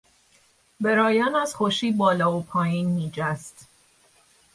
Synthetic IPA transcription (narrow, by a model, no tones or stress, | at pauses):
beɾɒːjænæz̥xoʃiːbɒːlɒːopʰɒːjiːnmiːd͡ʒæst̪